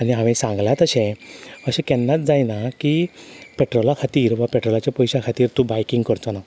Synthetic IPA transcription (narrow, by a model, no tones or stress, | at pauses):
aniɦãʋɛ̃sãŋɡlat̪əɕẽəɕɛ̃kɛnːat͡sd͡zajnakipeʈɾolakʰat̪iːɾʋapeʈɾɔlat͡ɕapɔjɕakʰat̪iːɾt̪ũbajkiŋɡkəɾt̪ɔna